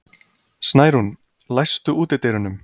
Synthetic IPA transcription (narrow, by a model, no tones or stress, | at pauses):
snaːjɾhun | lajst̪ʏuːt̪ɪt̪eːjɾʏnʏm